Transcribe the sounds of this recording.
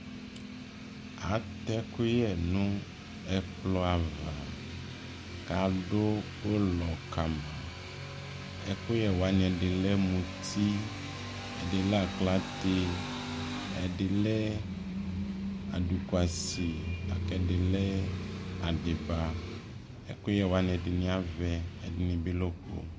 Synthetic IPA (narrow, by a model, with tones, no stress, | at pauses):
a˨t̪ɛ˦ku˦jɛ˨nũ˦ | ɛ˦k͡plɔ˦a˨va˨ | ka˨ɖo˦ | wo˦lɔ˨ka˨mã˨ | ɛ˦ku˦jɛ˦wo˨a˦ɲɛ̃˨ɖe˨lɛ˦mũ˨t̪ʰi˦ | ɛ˨ɖe˨lɛ˦a˨kla˦t̪e˦ | ɛ̰˨ɖe˨lɛ˦ | a̰˨ɖu˨ku˨a˨si˨a̰˨kɛ˨ɖe˨lɛ˦a˨ɖe˨ba˦ | ɛ̰˦ko˦jɛ˦˨wa˦ɲ˨ɛ̃˨ɖe˨nĩ˦a˦vɛ˦ɛ˨di˨nĩ˨bi˦lo˦k͡po̰˦